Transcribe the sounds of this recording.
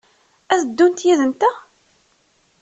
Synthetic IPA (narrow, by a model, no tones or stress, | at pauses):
æθəd̪ːunt̪jæðənt̪æ